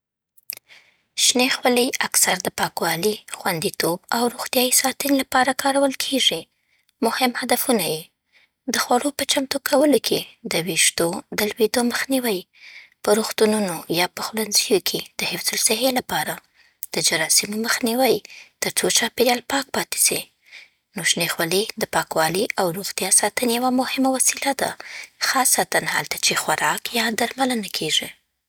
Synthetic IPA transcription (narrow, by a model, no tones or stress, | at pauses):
ʃnexwəlijaksaɾd̪əpɑkwɑlixwand̪it̪obawɾuxt̪jɑjisɑt̪ənlapɑɾakʰɑɾawəlkʰeʐi | mʊhɪmhad̪afunaje | d̪əxwaɽopət͡ʃamt̪okʰawəlokʰed̪əwiʂt̪od̪əlwed̪oməxniwəj | pəɾuxt̪ununojɑpəxlanzəjokʰed̪̥əhɪfzʊlsaɦelapɑɾa | d̪̥əd͡ʒaɾɑsimoməxniwəjt̪əɾt͡sot͡ʃɑpeɾjɑlpɑk̚pɑt̪e̥si | noʃnexwaled̪əpɑkwɑliʔawɾuɣt̪jɑsɑt̪ənejawamʊhɪmawasilad̪a̰xɑsat̪anha̰lt̪at͡ʃexwaɾɑkjɑd̪aɾmalənakʰeʒi